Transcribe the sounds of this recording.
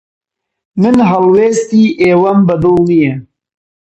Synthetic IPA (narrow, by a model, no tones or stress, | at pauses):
mɨnɦɐlweːst̪iːʔeːwɐmbɐd̪oːlnijɛ